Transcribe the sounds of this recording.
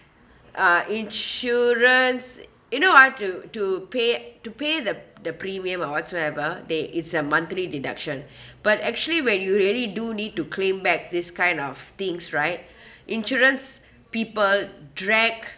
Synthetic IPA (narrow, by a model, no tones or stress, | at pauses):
ʔaʔĩnʃɔɹə̃ns | junowɔtːutupetupedəd̪əpɾimiə̃mɔwɔtsoɛvəd̪ɛʔɪtsəmãnt̪lidida̰kʃə̃nb̥atɛk̚t͡ʃuəliwɛ̃njuɹiəlidunid̚tukʰlẽmbɛk̚d̪iskãɪ̃ndɔft̪ɪ̃ŋsɹaɪt̚ | ʔĩnʃɔɹə̃ns | piːpəldɹɛk